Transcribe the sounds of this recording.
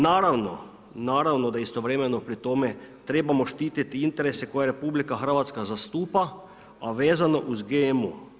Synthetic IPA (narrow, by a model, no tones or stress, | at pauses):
naːɾaʋno̰ | naːɾaʋnod̪aist̪oʋɾemɛnopɾit̪omet̪ɾeːbamoʃt̪iːt̪it̪iint̪eɾesekojaɾepublikaxr̩ʋat̪skazast̪uːpa | aʋeːzano̰ʔuzɡemu